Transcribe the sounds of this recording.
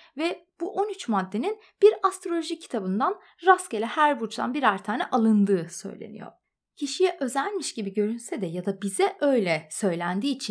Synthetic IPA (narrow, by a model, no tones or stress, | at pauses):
vɛb̥uʔo̞nyt͡ʃmad̪ːe̞nin | b̥iɾast̪ɾo̞lʲoʒicʰi̥t̪ʰabɯnd̪an | ɾascelʲɛhæɾbut͡ʃd̪a̰nbiɾæɾt̪ʰaːnɛʔalˠɯnd̪ɯːsø̞̰jlʲḛnḭjo̰ɾ̥ | cʰiʃijɛʔø̞zælʲmiʃɟ̥ibiɟø̞ɾynsɛd̪ɛjad̪abizɛʔø̞jlʲɛsø̞jlʲænd̪iːt͡ʃʰin